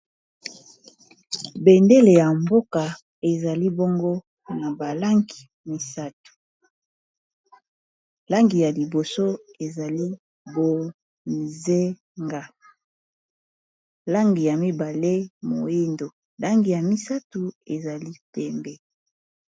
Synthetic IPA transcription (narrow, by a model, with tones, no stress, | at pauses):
be˨nde˦le˨ja˨mbo˦ka˨ | e˨za˨li˦bo˦ŋɡo˦ | na˨ba˨la˦ŋɡi˨ | mi˦sa˦tu̥˨ | la˦ŋɡi˨ja˨li˨bo˨so˦e˨za˨li˦ | bo˨ | nze˦ | ŋɡa˦ | la˦ŋɡi˨ja˨mi˦ba˨le˦mo˨i˦ndo˨ | la˦ŋɡi˨ja˨mi˦sa˦tu˨e˨za˨li˦pɛ˦mbɛ˦